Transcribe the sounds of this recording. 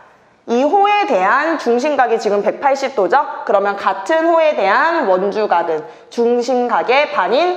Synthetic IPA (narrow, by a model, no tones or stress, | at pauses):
iɦoe̞de̞ɦant͡ɕuŋɕ̬ʰimɡaɡit͡ɕiɡɯmpe̞k̚pʰaɭɕ͈ip̚t͈od͡ʑʌkɯɾʌmjʌnkatʰɯnhoe̞de̞ɦanwʌnd͡ʑuɡaɡɯn | t͡ɕuŋɕʰimɡaɡe̞paɲin